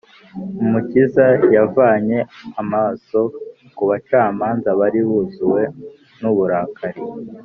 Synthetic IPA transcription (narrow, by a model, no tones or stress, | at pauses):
umucizajavaɲe̞amaso̞ | kuβat͡ʃaːmaːnzaβaɾiβuzuwe̞ | nuβuɾaːkʰaɾi